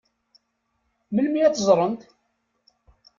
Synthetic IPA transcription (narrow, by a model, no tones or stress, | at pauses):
məlmijæt̪ːəzˤɾˤənt̪